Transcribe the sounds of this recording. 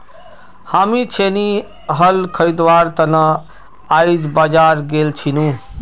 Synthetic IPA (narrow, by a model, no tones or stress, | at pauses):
hamit͡ʃʰeni | ɦəlkʰəɾid̪ʋaɾt̪ənə | ajd͡ʒbad͡ʒaɾɡelt͡ʃʰinũ